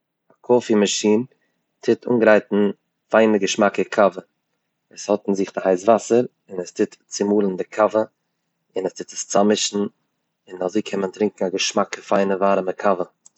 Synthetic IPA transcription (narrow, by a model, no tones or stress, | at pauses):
akʰɔfimaʃiːn | tʰɪtʰṵːnɡəɾaɪtn̩ | faɪnəɡəʃmakəkʰavə | ɛshɔtn̩zɪχdɪhaɪs̬vasəɾ | ɪnɛstʰɪtt͡sɪmuːlˠən̩dɪkʰavə | ɪnɛstɪtə̥st͡samɪʃn̩ | ɪnazeɪkʰɛməntɾɪŋkŋ̩aɡəʃmakəfaɪnəvaːɾəməkʰavə